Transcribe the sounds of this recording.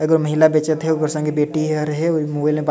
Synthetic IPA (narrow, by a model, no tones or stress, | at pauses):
ɐɡəɾmɐɦɪlabet͡ʃət̪ɦɛokəɾsɐ̃ŋɡebeːʈiɐɾɦɛomũːbailmẽba